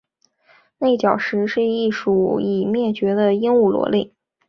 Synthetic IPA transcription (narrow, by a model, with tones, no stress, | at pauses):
ne˥˩ɪt͡ɕjɑ˨˩ʊʂɻ̩˧˥ʂɻ̩˥˧i˥˩ʂu˨˩i˨˩mjɛ˥˩t͡ɕɥɛ˧˥d̪ə˧i˥ŋu˥˩lwɔ̰˧˥lḭ˥˩